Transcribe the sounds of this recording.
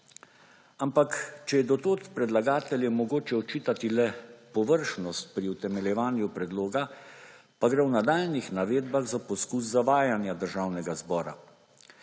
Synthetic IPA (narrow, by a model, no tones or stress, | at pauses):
ampakt͡ʃɛjɛd̪ɔt̪oːt̪pɾɛd̪laɡaːt̪ɛljɛmɔɡoːt͡ʃɛɔt͡ʃiːt̪at̪ilɛpɔʋəɾʃnɔst̪̚pɾiwt̪ɛmɛljɛʋaːnjupɾɛd̪loːɡa | paɡɾɛwnad̪aːlnixnaʋeːd̪baɣzapɔskus̬ːaʋaːjanjad̪əɾʒawnɛɡazbɔːɾa̰